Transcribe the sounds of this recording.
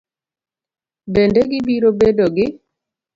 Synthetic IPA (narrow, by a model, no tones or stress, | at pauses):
bendeɡɪbiɾobedoɡɪ